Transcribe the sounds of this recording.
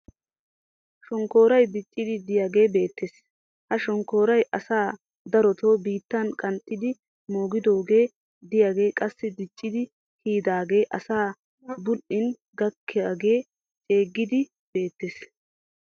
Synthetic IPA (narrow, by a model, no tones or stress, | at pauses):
ʃɔŋko̞ːɾɐjd̪ɪt͡ʃʼːɪd̪ɪd̪ɪjaːɡe̞ːbe̞ːt̪ːeːs | hɐʃɔŋko̞ːɾɐjʔɐsaː | d̪ɐɾɔt̪o̞ːbiːt̪ːɐnkʼɐnt̪ʼːɪd̪ɪ | mo̞ːɡɪd̪o̞ːɡe̞ː | d̪ɪjaːɡe̞ːkʼɐsːɪd̪ɪt͡ʃʼːɪd̪ɪ | hiːd̪aːɡe̞ːʔɐsaː | bʊlɪn | ɡɐkːɪjaːɡe̞ː | t͡ʃʼe̞ːɡːɪd̪ɪ | b̥e̞ːt̪ːeːs